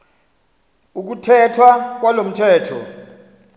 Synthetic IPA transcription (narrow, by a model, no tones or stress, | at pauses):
uk̬utʰɛtʰwak̬walom̩tʰɛːtʰɔ̰